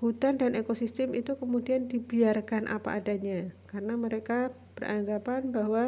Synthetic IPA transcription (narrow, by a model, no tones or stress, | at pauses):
hut̪andanekosist̪ɪmit̪ukəmudiandibiarkanʔa̰pa̰ʔadaɲakarənaməɾeka | b̥ərʔa̰ŋɡapanbaɦwa